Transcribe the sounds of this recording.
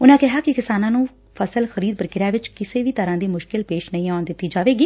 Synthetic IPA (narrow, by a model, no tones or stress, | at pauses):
ʊnãːkɪɦaːkɪkɪsaːnãːnũː | pʰəsəlxəɾiːd̪̚pəɾkɪɾjaːʋɪt͡ʃkɪseːʋiːt̪əɾãːd̪iːmʊʃkɪlpeːʃnəĩːaːʊnd̪ɪt̪ːiːd͡ʒaːʋeːɡiː